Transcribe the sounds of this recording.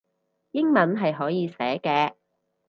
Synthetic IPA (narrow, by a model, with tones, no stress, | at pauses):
jɪ˥ŋmɐ˨˥nɦɐ˨jɦɔː˨˥jiː˨˧sɛ̰ː˨˥kɛː˧